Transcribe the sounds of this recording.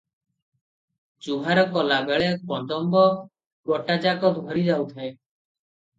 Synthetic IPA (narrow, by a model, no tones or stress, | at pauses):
d͡ʒubʱaɾɔkɔlabeɭepɔnd̪ɔmbɔ | bɔʈad͡ʒakɔd̪ʱwɔɾid͡ʒawt̪ʰae